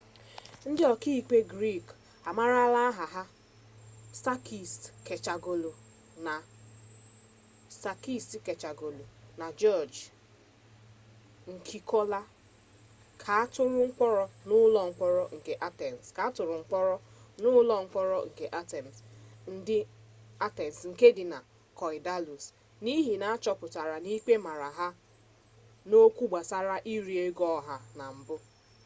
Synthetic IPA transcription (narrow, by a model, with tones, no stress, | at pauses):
n̩˦dɪ˦ɔ˨ki˦i˨k͡pe˦ɡɾi˦˨k | a˨ma˦ɾa˦la˦ɦa˨ɦa˦ | sa˦ki˨ske˨t͡ʃa˨ɡo˨lo˨ | na˨ | sa˨ki˦si˨ke˨t͡ʃa˨ɡo˨lu˨na˨d͡ʒɔ˦˨d͡ʒ | ŋ̩˨kʰi˦kʰɔ˦la˦ | kʰa˨a˦tʊ˦ɾʊ˦ŋ̩˦k͡pɔ˦ɾɔ˦nʊ˦lɔ˨ŋ̩˦k͡pɔ˦ɾɔ˦ŋ̩˨ke˦ʔa˦tɛ˨n˨ska˨a˦tʊ˨ɾʊ˨ŋ͡m̩˦k͡pɔ˦ɾɔ˦nʊ˦lɔ˦ŋ̩˦k͡pɔ˦ɾɔ˦ŋ̩˨ke˨ʔa˦tɛ˨m˨sn̩˦dɪ˦a˦tɛ˨n˨sŋ̩˨ke˦dɪ˨na˨ | kɔ˨ɪ˨da˦lu˨s | ni˦ɦi˨na˨a˦t͡ʃɔ˦pʊ˨ta˨ɾa˨ni˦k͡pe˦ma˨ɾa˨ɦa˦ | no˦kʷu˦ɡ͡ba˨sa˦ɾa˦ʔi˦ɾi˨e˦ɡɔ˦ɦa˨na˨m̩˨bʊ˦